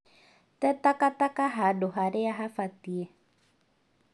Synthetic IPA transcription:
t̪ɛt̪akat̪akaɦaɖoɦaɾɛaɦafat̪ie

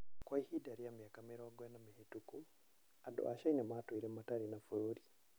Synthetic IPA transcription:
kwaihidaɾiamijakamɛɾawaɡwɛnamihituku | adɔ̰ʔaʃainɛmatuiɾɛmataɾinafuɾuɾi

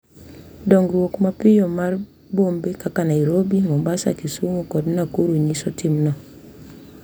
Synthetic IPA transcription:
dɔŋɡɾuwokmapijɔmaɾ | bombekakanaiɾobimombasa̰kisumukɔdinakuɾuɲisɔtimnɔ

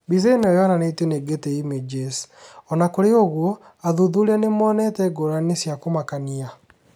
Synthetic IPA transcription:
bizainɔjɔananeteneɡetɛimed͡ʒesɔnakoɾeoɣwɔ | aðuðuɾɛnemwɔːnɛtɛɡoɾanesjakomakania

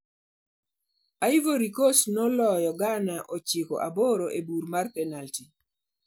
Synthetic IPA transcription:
aivoɾikosnɔlɔjɔɡanaʔot͡ʃɪko̰ʔaboɾoʔebuɾmarpɛnalti

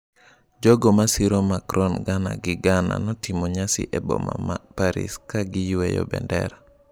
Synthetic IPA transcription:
d͡ʒɔɡɔmasiɾɔmakɾɔnɡana̰ɡɪɡana̰nɔtɪmɔɲasɪ̰ʔɛbɔ̰mamapaɾḭskaɡɪjwɛjɔ̰bɛ̰ndɛ̰ɾa

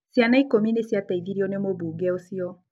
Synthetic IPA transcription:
sjanaikominesjataiviɾiɔnemoβuːɡɛosiɔ

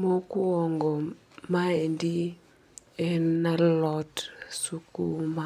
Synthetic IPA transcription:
mokuɔŋɡɔ | maendi | ɛnnalɔtsukṵma

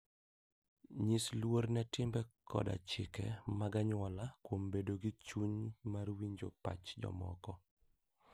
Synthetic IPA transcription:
ɲislwoɾnɛtɪmbɛkʰɔ̰da̰t͡ʃɪkɛ̰maɡaɲwɔlakwombedoɡit͡ʃuɲmarwiɲd͡ʒo̰pa̰t͡ʃd͡ʒɔ̰mɔ̰kɔ

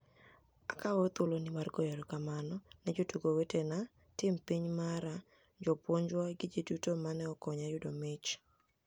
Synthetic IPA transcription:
akawot̪ʊlonɪmarɡɔjɔɾɔkamanɔnɛd͡ʒotuɡowetena | tɪmpiɲmaɾa | d͡ʒɔpwoɲd͡ʒwaɡɪd͡ʒidutomanɛɔkɔɲajʊdomɪt͡ʃ

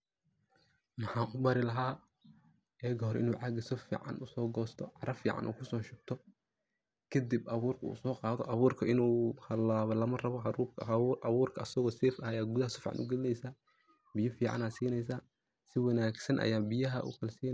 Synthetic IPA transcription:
mɐħaːʔʊbɐɾɪlɐɦaː | ɛːɡɦɔɾʔɪ̰nuːʕɑɡɐsɔfḭːʕɑ̰nʔʊsɔːɡɔːst̪ʰɔʕɑɾɐfiːʕɑ̰nʔṵːkʰʊsɔːʃʊb̚t̪ʰɔ | kʰɐd̪ibɐβuːrkʰɐṵːsɔːqɑːðɔʔɐβuːrkʰɐʔɪnuːhɐlaːβɐlɐmɐrɐβɔɦɐɾuːkʰɐʔβuːrkʰɐɐsɐɣɔːsɛːfɐhɐjaːɡuðɐhɐsɔfiːʕɑ̰nʔʊuɡɛlɪnɛjsa | bɪjɐfiːʕɑ̰naːsiːnɛjs̬aː | sɪwɑnaːɡsɐnʔɐ̰jaːbɪjɐɦɐ̰ʔṵkʰɐlsiː

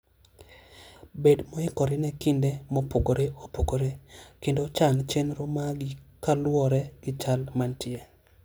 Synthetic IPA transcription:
bedmɔɪkɔɾɪnɛkɪndemɔpoɡoɾeopoɡoɾekendot͡ʃaŋt͡ʃenɾomaɡɪkalwɔɾɛɡ̥ɪt͡ʃalmantɪe

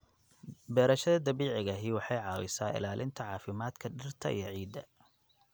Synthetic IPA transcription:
bɛːɾɐʃɐðɐd̪ɐβiːʕɪɣɐɦiwɑħɑjʕɑːwɪsaːɪ̰laːlʔɪnt̪ʰɐʕɑːfɪmaːd̪kʰɐɖɪrt̪ʰɐ̰ʔḭjɔʕiːd̪ɐ

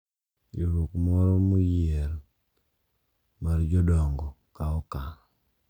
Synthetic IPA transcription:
iɾokmɔɾɔmujeɾ | maɾd͡ʒɔdɔŋɡɔ | kaɔka

